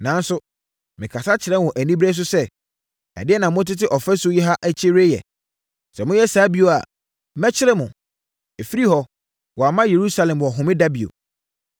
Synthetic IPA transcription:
nã˨˦n˦sʊ˦ | mɪ̃˨kʰa˨sa˦t͡ɕʰɪ˨ɾɛ˦wɔ̃˨ʔæ˨nĩ˦bɾe˦s̬ʊ˦sɛ˦ | ɛ̰˨dɪ˦ɛ˦nã˨mʊ̃˦t̬ɪ˦tɪ˦ʔɔ˨fɛ˦sʊ˦jɛ˦ɦa˦ʔæ˦t͡ɕʰe˦ɾe˦jɛ̰˨ | sɛ˨mʊ̃˦jɛ˦saː˨˦bi˨o˨a̰˨˦ | mɛ˦t͡ɕʰɪ˦ɾɛ˦mʊ̃˨ | e˨fi˦ɾi˦hɔ˦ | wɔ˨a˨mã˦je˨ɾu˦sa˨lɛ̃˨mwɔ˨ɦʊ̃˨mɪ̃˦da˦bi˨o̰˨

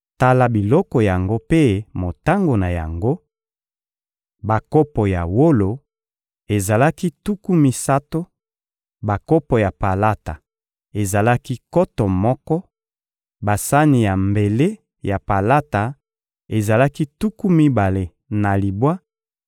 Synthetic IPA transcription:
ta˦la˨bi˨lɔ˦kɔ˨ja˨ŋɡo˦pe˦mo˨ta˦ŋɡo˨na˨ja̰˨ŋɡo˦ | ba˨kɔ˦pɔ˨ja˨wo˦lo˨ | e˨za˨la˦ki˦tu˦ku˦mi˨sa˦to˦ | ba˨kɔ˦pɔ˨ja˨pa˨la˦ta˨ | e˨za˨la˦ki˦kɔ˦tɔ˨mɔ˦kɔ˦ | ba˨sa˦ni˨ja˨mbe˨le˦ | ja˨pa˨la˦ta˨ | e˨za˨la˦ki˦tu˦ku˦mi˦ba˨le˨ | na˨li˨bwa˦

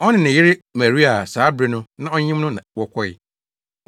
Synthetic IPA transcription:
ɔ˦nɪ̃˨nɪ̃˨jɪ˦ɾɪ˦mæ˨ɾi˦a˨saː˨˦bɾe˨nʊ̃˦nã˦ɔ˦ɲĩ˦mnʊ̃˦nã˨wɔ˦kʰʷɔ˦ɪ˦˨

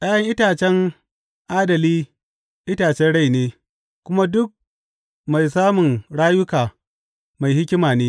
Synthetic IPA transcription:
ʔaː˦jɐ˦ŋʔɪ˦taː˨t͡ʃɛ˦ŋ | ʔaː˦dɐ˨liː˦ | ʔɪ˦taː˨t͡ʃɛ˦nɽa˦˨jneː˦ | kʷʊ˦ma˦dʊ˦k̚ | ma˨jsaː˦mʊ˨ŋɽaː˦jʊ˦kaː˨ | ma˨jhɪ˦kʲɪ˦maː˨neː˦

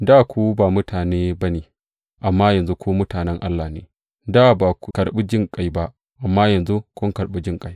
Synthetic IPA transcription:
daː˦˨kʷu˦baː˨mʊ˦tʰaː˨neː˦bɐ˦neː˨ | ʔa˨mːaː˦jɐ˨nzu˦kʰʷuː˦mʊ˦taː˨nɛ˦ŋʔa˦lːa˨nḛː˨ | daː˦˨baː˨kʷkɐ˨ɽɓi˦d͡ʒɪ˦˨ŋkʼa˦jba˦ʔ | ʔa˨mːaː˦jɐ˨nzu˦kʷʊ˦ŋkɐ˨ɽɓi˦d͡ʒɪ˦ŋkʼa˦j

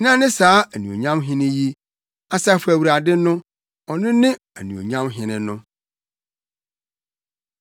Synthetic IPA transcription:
nã˦nɪ̃˦saː˨˦æ˨nũ˨o̰˨ɲã˦mɦɪ̃˦nɪ̃˦ji˦ | a˦sa˦˨fu˦æ˨wu˨ɾa˨dɪ˦nʊ̃˦ | ɔ˨nɪ̃˦nɪ̃˦ | æ̰˨nũ˨o̰˨ɲã˦mɦɪ̃˨nɪ̃˦nʊ̃˦

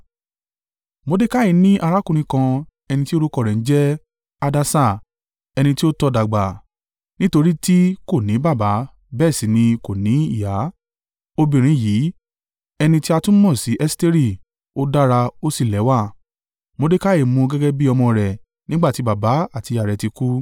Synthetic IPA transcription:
mo˧de˦ka˦ji˨˦nĩ˦ʔa˧ɾa˦kũ˦˧ɾ̃ĩ˧kã˧ | ɛ˧nĩ˧ti˦o˦ɾu˦kɔ˦˨ɾɛ˨n̩˦d͡ʒɛ˦ | a˧da˧sa˦˨ | ɛ˧nĩ˧ti˦o˦tɔ˧da˨ɡ͡ba˨ | nĩ˦to˧ɾi˦ti˦ko˦˨nĩ˨˦ba˦˨ba˨˦ | bɛː˦˨sĩ˨˦nĩ˧ko˨nĩ˨˦i˦˨ja˨˦ | o˧bĩ˨ɾ̃ĩ˨˧˦ji˨˦ | ɛ˧nĩ˧ti˦a˧tũ˦mɔ̃˦˨si˨˦ʔɛ˦ste˦ɾi˦˨ | o˦da˦ɾa˧o˦si˦˨lɛ˨˦wa˦˨ | mo˨˧de˦ka˦e˨mũ˧ɡɛ˦ɡɛ˦bi˦ɔ˧mɔ̃˧ɾɛ˨ | nĩ˦ɡ͡ba˦˨ti˨˧ba˨ba˨˦a˦˨ti˧a˨ɾɛ˨ti˧ku˦

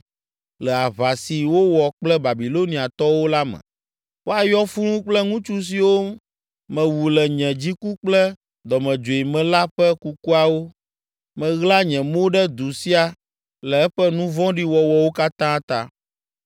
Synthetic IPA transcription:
lɛ˨a˨βa˨si˨wo˦wɔ˨k͡plɛ˦ba˨bi˨lo˦nĩ˨a˨t̪ɔ˦wo˦la˦mɛ̰̃˨ | wo˦a˨jɔ˦fu˦l̃ũ˦k͡plɛ˦ŋũ˦t͡ʃu˦s̬i˨wo˦ | mɛ̃˨wu˨lɛ˨ɲɛ̃˨d͡ʑi˦ku˦k͡plɛ˦ | d̪ɔ˨mɛ̃˨d͡ʒo˨i˨mɛ̃˨la˦ɸɛ˦ku˦ku˦a˨wo˦ | mɛ̃˨ɣla˦ɲɛ̃˨mo˦ɖɛ˦d̪u˨si˦a˨ | lɛ˨ɛ˦ɸɛ˦nũ˦vɔ̃˦ɖi˦wɔ˨wɔ˨wo˦ka˦t̪ã˦t̪ã̰˦

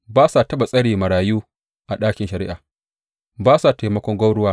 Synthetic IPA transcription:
baː˦sa˨tɐ˦ɓa˨sʼɐ˦ɽiː˨mɐ˨ɽaː˨juː˦ | ʔa˨ɗaː˦kʲɪ˨nʃɐ˨ɾɪ̰˦ʔaː˨ | baː˦sa˨teː˨mɐ˦kʷɔ˦ŋɡʷɐ˦wɽʊ˦waː˦

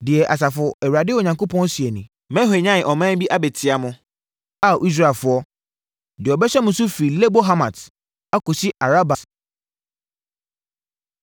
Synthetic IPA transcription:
dɪ˨ɛ˨ʔa˨s̬a˨fʊ˨ɛ˨wu˨a˨dɪ˦o˨ɲã˨ŋko˦pʰɔ̃˦n˦si˨ɛ˨nɪ̃˨ | mɛ̃˦ɦe˨ɲã˦˨ʔɔ˨mã˦bi˦ʔa˦bɛ˨tʰɪ˨a˨mʊ̃˦ | a˦˨ʔi˦s̬ɾa˦˨fʊ˨ɔ˦ | dɪ˨ɔ˨bɛ˦ɕɛ˦mʊ̃˨sʊ˦fi˨le˦bo˦ɦa˦mã˨t | a˦ko˨sɪ˦ʔa˨ɾa˦ba˨

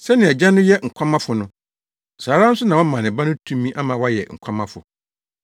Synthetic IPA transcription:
sɛ˦nɪ̃˨ɛ˨d͡ʑã˦nʊ̃˦jɛ˦ŋ̩˨kʷʰa˦mã˦fʊ˨nʊ̃˦ | saː˨ɾã˦n̩˦sʊ˦nã˨ɔ̃˦mã˨nɪ̃˨ba˦nʊ̃˦tʰũ˦mĩ˦ʔa˦mã˨˦wa˦jɛ̰˨ŋ̩˨kʷʰa˦mã˦fʊ̰˨

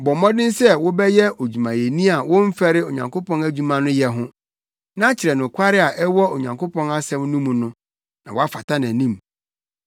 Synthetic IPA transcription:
bɔ˨mɔ̃˦dɪ̃˦n˦sɛ˦˨wʊ˦bɛ˦jɛ˦ʔo˨d͡ʑu˨mã˨jɛ˨nĩ˦a˨wʊ̃˦m̩˦fɛ˦ɾɪ˦o˨ɲã̰˨ŋko˦pɔ̃˦næ˦d͡ʑᶣu˨mã˨nʊ̃˦jɛ˨ɦʊ̃˦ | nã˦t͡ɕʰɪ˨ɾɛ˨nʊ̃˨kʷʰa˦ɾɪ˦a˨ʔɛ˦wɔ˦o˨ɲã˨ŋkʰo˦pʰɔ̃˦na˦sɛ̃˦mnũ˦mũ˨nʊ̃˦ | nã˨wɔ˦a˦fa˨tʰa˦nã˨nĩ˦˨m

